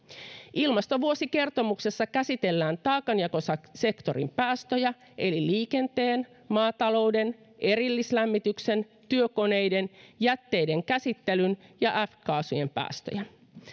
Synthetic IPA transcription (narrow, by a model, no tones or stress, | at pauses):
ʔilmɑst̪o̞ʋuo̞sike̞rt̪o̞mukse̞sːɑkæsit̪e̞lːæːnt̪ɑːkɑnjɑkosɑse̞kt̪o̞ɾḭmpæːst̪øjæ | ʔe̞liliːke̞nt̪e̞ːn | mɑːt̪ɑlo̞wde̞n | ʔe̞ɾilːislæmːit̪ykse̞n | t̪yøko̞ne̞jde̞njæt̪ːe̞jde̞ŋkæsit̪ːe̞lynjɑʔæfkɑːsuje̞mpæ̰ːst̪ø̰jæ